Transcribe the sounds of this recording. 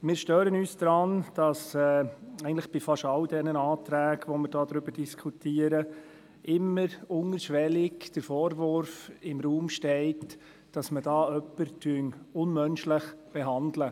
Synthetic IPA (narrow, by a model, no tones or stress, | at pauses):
mɪːɾʃtøːɾənyːsd̥̪ɾɑnd̥ɑsɛːɛɪɡntlɪχb̥ɪfɑʃɑldɛnəɑːt̪ɾæːɡʋɔmɪɾd̥ɑːdɾʏbəɾd̥iskʰutʰiːəɾə | ʔɪmːəɾʊŋəɾʃʋɛlɪkd̥əɾfɔːɾʋʊɾfɪmɾuːmʃtɛɪt | d̥ɑsmədɑːœpːəɾtʰyənʊnmœnʃlɪχb̥ɛɦɑndlə